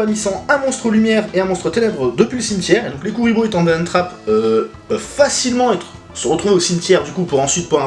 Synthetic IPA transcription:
anisɑ̃ɛ̃mɔ̃st̪χəlymjɛʁeɛ̃mɔ̃st̪χət̪enɛbʁəd̪əpɥiləsimt̪ʲjɛʁed̪ɔ̃klekuʁiboet̪ɑ̃d̪ɛ̃nt̪χapø | fasilmɑ̃ɛt̪χ | səʁət̪χuveosimt̪jɛʁd̪ykupuʁɑ̃sɥit̪̚puʁɛ̃

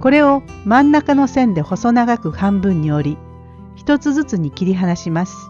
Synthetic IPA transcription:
ko̞ɾe̞o̞mãnːakano̞sẽ̞nd̪e̞ho̞so̞naɡakɯ̟hãmbɯ̟̃ɲ̟ːio̞ɾʲi | çi̥t̪o̞t͡sɨzɨt͡sɨɲ̟ikʲiɾʲiɦanaɕimasɨ̥

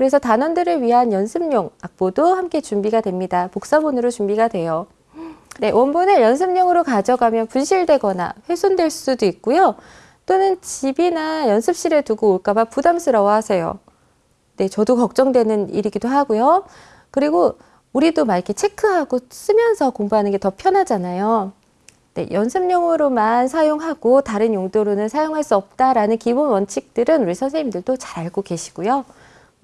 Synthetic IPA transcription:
kɯɾe̞sʰʌtanʌndɯɾɯɭɥiɦanjʌnsʰɯmɲoŋak̚p͈odohamk͈e̞t͡ɕumbiɡadwe̞mɲidapok̚s͈abonɯɾot͡ɕumbiɡadwe̞jo | ne̞wʌnbonɯjʌns̬ʰɯmɲʌŋɯɾokad͡ʑʌɡamjʌnpunɕʰiɭdwe̞ɡʌna̰ɸwesʰondwe̞ɭs͈udoik̚k͈ujo | t͈onɯnt͡ɕibinajʌnsʰɯp̚ɕ͈iɾɯɭtuɡoːɭk͈abapudamsʰɯɾʌwʌɦhasʰe̞jo̰ | ne̞t͡ɕʌdokʌk̚t͡ɕ͈ʌŋdwenɯnḭɾiɡidoɦaɡujo | kɯɾiɡo | uɾidomaikʰe̞t͡ɕʰe̞kʰɯɦaɡos͈ɯmjʌnsʰʌkoŋbuɦanɯnɡe̞tʌpʰjʌnɦad͡ʑanajo | ne̞̰jʌnsʰɯmɲʌŋɯɾomansʰajoŋɦaɡ̥otaɾɯnjoŋdoɾonɯnsʰajoŋɦaɭs͈uʌp̚t͈aɾanɯnkibunwʌnt͡ɕʰik̚t͈ɯɾɯnuɾisʰʌnsʰeimdɯɭdot͡ɕḁɾaɭɡoɡe̞ɕʰi̥ɡ̥ujo

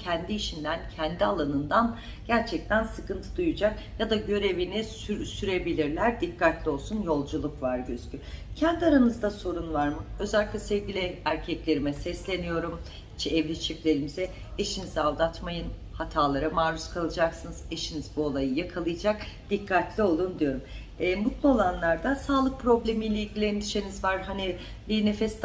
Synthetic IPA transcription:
cʰɛnd̪iːʃind̪æncʰɛnd̪ialˠanɯnd̪an | ɟ̥æɾt͡ʃʰɛc̚t̪ʰænsɯkɯnt̪ʰɯd̪ujud͡ʒakjad̪aɟø̞ɾe̞vinisɾsyɾe̞bilʲiɾlʲæɾd̪ikːat̪lʲio̞lˠsunjo̞lˠd͡ʒulˠukvaɾɟøz̥cʰʲycʰɛnd̪aɾanɯzd̪aso̞ɾunvaɾmɯø̞zɛlʲːiclʲɛsɛvɟilʲɪæɾcʰɛclʲe̞ɾimɛsɛslʲe̞nijo̞ɾum | it͡ʃʰɛɛvlʲit͡ʃʰiplʲe̞ɾimizɛ | eʃinizavd̪at̪majɯn | hat̪ʰaːlˠaɾamaːɾuskʰalˠɯd͡ʒaksɯnɯz̥eʃinizbuolˠajɯjakʰalˠɯjd͡ʒakd̪̥ikʰːat̪lʲio̞lˠund̪ijo̞ɾumː | mut̪lˠuo̞lˠanlˠaɾd̪asaːlˠɯk̚pʰɾo̞blʲemijlʲeilʲɟʲilʲeind̪iʃenizvaɾɦani | lʲiːnefɛs

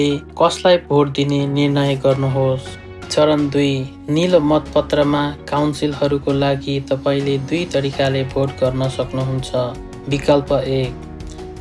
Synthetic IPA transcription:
ekʌslajbʱoʈ̚d̪inenirnʌjɡʌrnuɦos | t͡sʌɾʌnd̪uj | nilomʌt̪pʌt̪rʌmakawnsilɦʌɾukolaɡit̪ʌpaĩled̪ujt̪ʌɾikalebʱoʈɡʌrnʌsʌknuɦunt͡sʰʌ | bikʌlpʌek̚

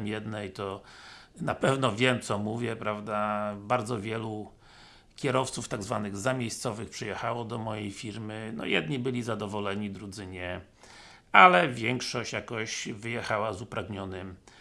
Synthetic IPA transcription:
mjɛd̪nɛjt̪ɔ | napɛvnɔvʲjɛmt̪sɔmuvʲjɛpɾavd̪abaɾd̪zɔvʲjɛlu | kʲɛɾɔft̪suft̪aɡzvanɘɣzamʲjejst̪sɔvɘxpʂɨjɛxawɔd̪ɔmɔjejfʲiɾmɘnɔ̰jɛd̪̚ɲibɘlʲizad̪ɔvɔlɛɲid̪ɾud̪zɘɲɛ | alɛvʲjɛŋkʂɔɕt͡ɕjakɔɕvɘjɛxawazupɾʔaɡɲɔnɘm

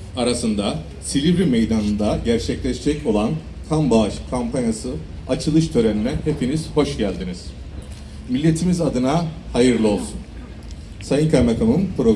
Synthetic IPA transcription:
aɾasɯnd̪a | silʲivɾimejd̪anɯnd̪aɟæɾt͡ʃʰɛclʲɛʃd͡ʒɛco̞lˠan | kʰambaɯʃkʰampʰanjasɯ | at͡ʃʰɯlˠɯʃt̪ʰø̞ɾeninænhe̞pʰiniz̥ho̞ʃɟælʲd̪iniz̥ | milʲːe̞t̪ʰimizad̪ɯnahajɯɾlˠɯo̞lˠsun | sajiŋkʰaɾmek̪ʰonunpʰɾo̞

